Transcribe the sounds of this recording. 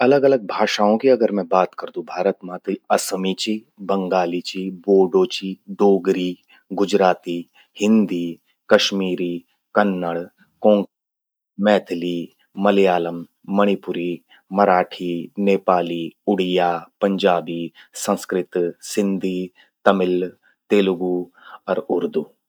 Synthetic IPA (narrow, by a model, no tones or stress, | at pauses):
ɐləɡɐləɡ̚bʱaːʃaːõkiɐɡəɾmɛ̃baːt̪kəɾd̪ũbʱaːɾət̪mãːt̪ɾiɐsmit͡ʃi | bɐ̃ŋɡaːlit͡ʃiboːɖoːt͡ʃid̪oːɡɾiː | ɡʊd͡ʒɾaːt̪i | hɪ̃nd̪i | kɐʃmiːɾiː | kɐnːəɽ | kõː | mɛːt̪ʰliː | mɐlijaːləmː | ɐɽ̃ipʊɾiː | mɐɾaːʈʰiːneːpaːliːʊɽ̤ijaːpɐɲd͡ʒaːbiːsɐ̃nskɾɪt̪sɪnd̪ʱiː | t̪ɐmɪl | t̪eːlʊɡu | ɐɾʊɾd̪uː